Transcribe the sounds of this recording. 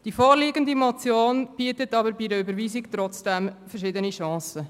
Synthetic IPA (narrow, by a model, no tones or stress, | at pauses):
d̥ifoːɾliːɡəndimɔt͡sjoːnb̥iətətɑbəɾbidəʏbəɾʋiːzikt̪ɾɔt͡sd̥ɛmfəɾʃɪdəniʃɑ̃ːsə